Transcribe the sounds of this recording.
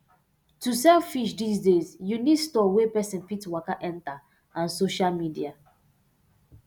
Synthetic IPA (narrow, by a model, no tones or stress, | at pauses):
tusɛlfiʃdisdezjunidstɔwepɛsĩnfitwakaʔɛ̃nta | ãnsoʃalmidia